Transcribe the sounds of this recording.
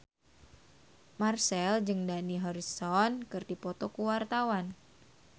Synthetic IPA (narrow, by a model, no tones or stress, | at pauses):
marsɛld͡ʒɨŋdaniɦɔɾisɔnkɨrdipɔt̪ɔkuwart̪awan